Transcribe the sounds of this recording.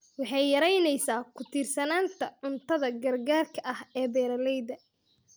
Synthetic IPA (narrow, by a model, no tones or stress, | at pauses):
wɑħɑjːɐɾɛjnɛjsaːkʰʊt̪ʰɪrsɐnaːnt̪ʰɐʕʊnt̪ʰɐðɐɡɐrɡaːrkʰɐʔɐhɛːbɛːɾɐlɛjd̪ɐ